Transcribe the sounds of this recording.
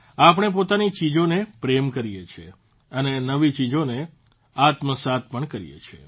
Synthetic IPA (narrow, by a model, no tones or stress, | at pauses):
apəɳ̃ep̬ot̪anit͡ʃid͡ʒonepɾemkəɾijet͡ʃʰe | ənenəʋit͡ʃid͡ʒone | at̪məsat̪̚pəɳkəɾḭjḛt͡ʃʰḛ